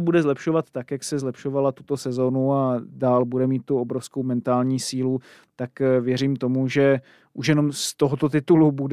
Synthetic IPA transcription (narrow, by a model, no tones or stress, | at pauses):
budɛzlɛpʃo̞vat̪ːakjaksɛzlɛpʃo̞valat̪ut̪o̞sɛzo̞nuadaːlbudɛmiːt̪̚ːuobɾofsko̞wmɛnt̪aːlɲiːsiːlu | t̪akvjɛɾiːmt̪o̞muʒɛ | ʔuʃjɛno̞mst̪oɦot̪o̞t̪ɪt̪ulubud